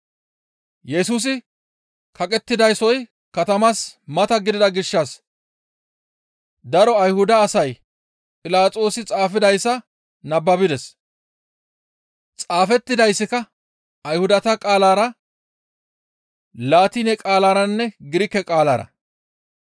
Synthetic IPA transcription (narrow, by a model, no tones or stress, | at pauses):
jɛsuːs̬ɪ | kɐkʼɛt̪ːɪd̪ɐjsɔj | kɐt̪ɐmasmɐt̪ɐɡɪd̪ɪd̪ɐɡɪʃːɐs | d̪ɐɾɔɐjhʊd̪ɐːsɐj | pʼɪlaːt͡sʼo̞ːsɪt͡sʼaːfɪd̪ɐjsːɐ | nɐbːɐbɪd̪ɛs | t͡sʼaːfɛt̪ːɪd̪ɐjsːɪkɐ | ɐjhʊd̪ɐt̪ɐkʼaːlaːɾɐ | laːt̪ɪnɛkʼaːlaːɾɐnːɛɡɪɾɪkːɛkʼaːla̰ːɾɐ̰